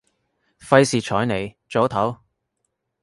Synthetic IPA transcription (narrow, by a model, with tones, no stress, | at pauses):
fɐ˧jsiː˨˩t͡ʃʰɔː˨˥jne˨˩j | t͡ʃo˨˥wt̪ʰɐ˨˥w